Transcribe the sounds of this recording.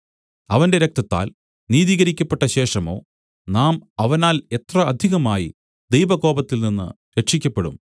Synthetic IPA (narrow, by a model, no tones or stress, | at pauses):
ɐʋɐnde̞ɾek̚t̪ɐt̪ːa̰ːl | niːðiːɣɐɾikʲːɐpːe̞ʈːɐɕe̞ːʂɐmo̞̰ː | naːmɐʋɐnaːle̞t̪rɐɐd̪ʱiɣɐmaːji | d̪e̞jbɐɣo̞ːbɐt̪ːilninːɨ̰ | ɾeʂikʲːɐpːe̞ɽṵm